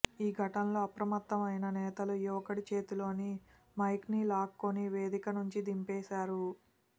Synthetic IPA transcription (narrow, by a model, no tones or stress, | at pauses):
iːɡʱɐʈɐnlo̞ːɐpɾɐmɐt̪ːɐmɐjnɐnɛːt̪ɐlujuʋɐkɐɽit͡ʃe̞ːt̪ulo̞ːni | mɐjknilaːkːoniʋe̞ːd̪ikɐnuɲt͡ʃid̪impɛːʃaːɾu